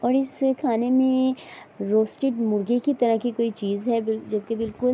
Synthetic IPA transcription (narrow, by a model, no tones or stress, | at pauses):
ɔːɾɪskʰaːnemẽ | ɾoːsʈɪʈmʊɾɡekit̪ɐɾəɦkikoːit͡ʃiːzɦɛbɪld͡ʒɐb̚kebɪlkʊl